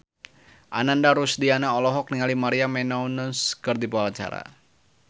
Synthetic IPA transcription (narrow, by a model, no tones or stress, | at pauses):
ʔa̰nandaɾusdianaɔlɔɦɔk̚niŋalimaɾiamɛnɔunʊnskərd̪ipaalat͡ʃa̰ɾa̰